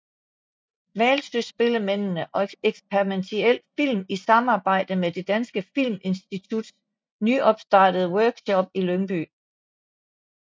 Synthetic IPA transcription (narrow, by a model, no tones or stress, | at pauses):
ʋæːlsøsb̥e̝ləmen̰nəʔɒ̽eɡ̥spʰeʁiment͡sʰiel̰fil̰misɑ̈mɑ̈ːb̥ɑ̈ɪ̰d̥əmed̥e̝d̥ænsɡ̥əfil̰me̝nsd̥it͡sʰud̥ | nyʔɒ̽b̥sd̥ɑ̈ːd̥əð̞ˠwœɐɡ̥ɕɒ̽b̥̚ilønb̥y